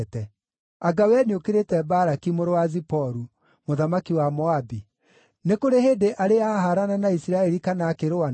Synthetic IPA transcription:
tɛ | aɡawɛneokeɾetɛbaɾakimoɾowazipɔɾu | moðamakiwamɔabi | nekoɾeɦeːdeʔaɾeaɦaɾananaisiɾaɛɾikanaːkeɾoa

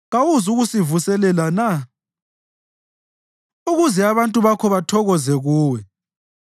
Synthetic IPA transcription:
ɣawuzuɣusivusɛlɛlana | uɣuzɛaβantʼuβakʰɔβatʰɔɣɔzɛɣuːwɛ

